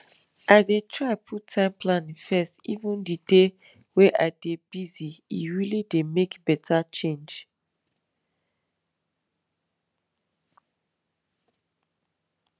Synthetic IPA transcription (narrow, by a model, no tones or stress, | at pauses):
ʔadetʰɹaapʰutʰãɪ̃mpʰlãnĩfɛstḭvə̃ndide | weʔadebiziḭɹilidemekbɛtʰat͡ʃẽnd͡ʒ